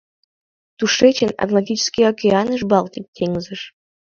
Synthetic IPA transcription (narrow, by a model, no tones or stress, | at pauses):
t̪uʃet͡ɕəna̰ɡlat̪ʲit͡ɕɪ̥skʲijokʲeɑnəʃbɑlt̪ʲik̚t̪ʰeŋzəʃ